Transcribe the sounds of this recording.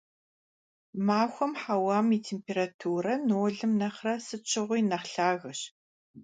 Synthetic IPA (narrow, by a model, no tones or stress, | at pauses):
maːxʷɔmħawaːmiːtʰeːmpeːɾatʰuːrɐnoːɮɨmnɐχrɐsɨt͡ʃʰɪʁʷʊjnɐχɬaːɣɐɕ